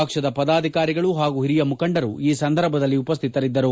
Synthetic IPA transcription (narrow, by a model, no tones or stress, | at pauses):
ɐkʂɐd̪ɐpɐd̪aːd̪ʱikaːɾiɡɐɭuɦaːɡuɦiɾijɐmukɐɳɖɐɾuiːsɐnd̪ʱɐɾbʱɐd̪ɐlːiupɐs̬t̪ʰit̪ɐɾid̪ːɐɾu